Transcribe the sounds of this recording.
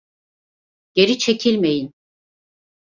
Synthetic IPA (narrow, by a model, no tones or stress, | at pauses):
ɟ̥e̞ɾit͡ʃʰe̞cʰilʲmejin